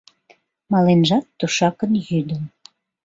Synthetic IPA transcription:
mɑlenʒɑt̪ːuʃɑkənjyd̪əm

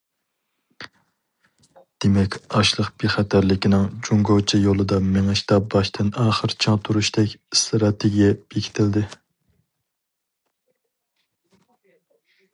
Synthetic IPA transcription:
d̪̥emɛkʲɑʃlˠəqb̥iχɛt̪ʰæɾlɪkʲinɪŋd͡ʒuŋɡowt͡ʃʰijolˠɨd̪ɑmeŋɛʃt̪ɑbɑʃt̪ʰɪnɑːχəɾt͡ʃʰɑŋt̪ʰuɾuʃt̪ɛkʲst̪ɾɑt̪ʰeɡʲijɛb̥ekʲʰi̥t̪ʰɪld̪ɪ

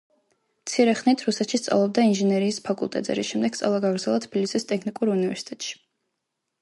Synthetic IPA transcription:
mt̪sʰiɾɛχnit̪ʰɾusɛt̪ʃist̪sʼa̰vlˠɔb̚d̪ainʒɛnɛɾiːspʰakʼṵlˠt̪ʼɛt̪zɛ̰ɾḭsʃɛmd̪ɛɡ̥t̪sʼa̰vlˠaɡaɡɾd̪zɛlˠat̪ʰb̥ilisist̪ʼɛkʰnikʼuɾunivɛɾsi̥t̪ʼɛt̪ʼʃi̥

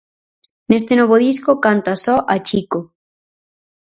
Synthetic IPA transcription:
nest̪enoβoð̞iskokant̪asɔʔat͡ʃiko

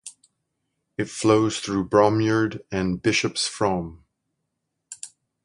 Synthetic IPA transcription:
ɨtfloʊz̥θɹubɹɑmjə˞ɾɨ̃nbɪʃɨpsfɹʌ̃m

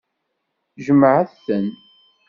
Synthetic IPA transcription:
ʒəmʕaθθən

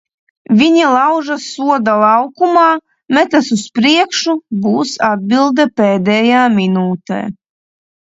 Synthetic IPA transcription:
vʲiɲilˠɑwʒasuɔd̪alˠɑwkumaː | mɛt̪asuspɾiɛkʃubuːsad̪̚bilˠd̪ɛpʲeːd̪ɛjaːminuːt̪ḛː

